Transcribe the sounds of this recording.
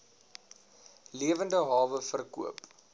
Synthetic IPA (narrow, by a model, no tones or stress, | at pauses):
liəvəndəɦɑːvəfərkṵəp